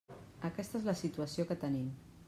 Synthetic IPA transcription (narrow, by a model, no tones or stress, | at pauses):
əkɛst̪əezləsit̪uəsiokət̪ənim